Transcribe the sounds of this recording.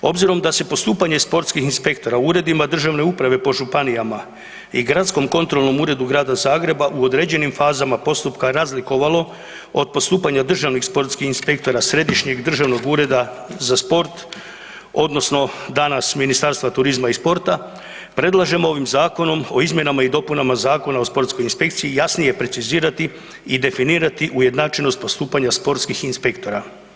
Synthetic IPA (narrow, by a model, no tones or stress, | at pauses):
o̞bziɾo̞md̪ase̞po̞st̪uːpaɲe̞spo̞ɾt̪skixinspe̞kt̪o̞ɾauːɾe̞d̪imad̪r̩ʒaʋne̞upɾaʋe̞po̞ʒupanijama | iɡɾat̪sko̞mko̞nt̪ɾo̞lˠno̞muːɾe̞d̪uɡɾaːd̪azaːɡɾe̞baʔuo̞d̪ɾe̞ːd͡ʑe̞nimfaːzamapo̞st̪upkaɾazliko̞ʋalo̞ | o̞d̪̚po̞st̪uːpaɲad̪r̩ʒaʋnixspo̞ɾt̪skixinspe̞kt̪o̞ɾasɾe̞d̪iʃɲe̞ɡd̪r̩ʒaʋno̞ɡuːɾe̞d̪a | zaspo̞ɾt̪ | o̞d̪no̞sno̞d̪anasminist̪aɾst̪ʋat̪uɾizmaispo̞ɾt̪a | pɾe̞d̪lˠaʒe̞moo̞ʋimzaːko̞no̞mo̞izmje̞namaid̪o̞punamazaːko̞naospo̞ɾt̪sko̞jinspe̞k̚t̪siijasnije̞pɾe̞t̪siziːɾat̪i | id̪e̞finiːɾat̪iʔuje̞d̪nat͡ʃeno̞st̪po̞st̪uːpaɲaspo̞ɾt̪skixinspe̞kt̪o̞ɾa